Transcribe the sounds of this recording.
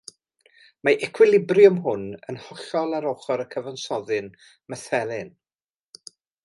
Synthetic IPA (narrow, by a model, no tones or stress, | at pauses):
maʔɛkʰwɪlˠɪbrjʊmɦʊnə̰nhɔɬɔlˠaɾoχɔɾəkʰəvansɔðɨn | məθɛlˠɪn